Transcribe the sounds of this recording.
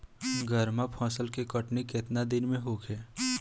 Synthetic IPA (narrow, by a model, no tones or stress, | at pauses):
ɡəɾmapʰɔ̃ːsəlkekəʈnikɪt̪nad̪ɪnmẽɦoːkʰeː